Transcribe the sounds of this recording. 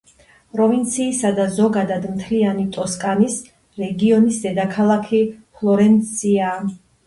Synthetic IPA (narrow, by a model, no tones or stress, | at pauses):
pʼɾɔvint̪sʰiːsad̪azɔɡad̪ad̪mt̪ʰlianit̪ʼɔskʼanis | ɾɛɡiɔnisd̪ɛd̪akʰalˠakʰipʰlˠɔɾɛnt̪sʰiaː